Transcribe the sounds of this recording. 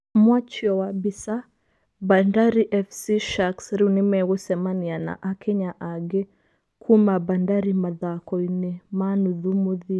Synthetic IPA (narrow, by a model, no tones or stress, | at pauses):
mwat͡ʃjɔwabisa | bandaɾiʔɛfsiʃaksɾinimɛwusɛmaniana̰ʔakʰɛɲaʔaɡɛ | kʰumabandaɾimaðakɔinɛmanuðumuði